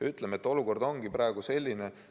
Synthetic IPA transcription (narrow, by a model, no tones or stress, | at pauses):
yt̪ːˑlemet̪ːˑo̞luko̞rd̪o̞ŋɡ̥iprɑeɡuse̞lʲːine